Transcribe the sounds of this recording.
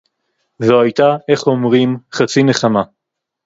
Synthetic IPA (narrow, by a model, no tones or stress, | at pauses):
zoajt̪aʔe̞χo̞mʁimχat͡sine̞χama